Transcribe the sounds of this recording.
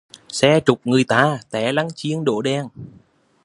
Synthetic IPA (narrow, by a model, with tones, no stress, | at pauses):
sɛ˧t͡ɕʊ˨˩k͡p̚ŋɨ˨˩əjt̪aː˧˩t̪ɛ˨˩˦la˨˦ŋt͡ɕi˧əŋɗo̰˧˨ɗɛ˨˧˩n